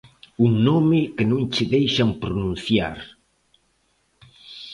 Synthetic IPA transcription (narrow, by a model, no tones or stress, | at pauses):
uŋnomɪkɪnõŋt͡ʃɪðejʃampɾunũnθja̰ɾ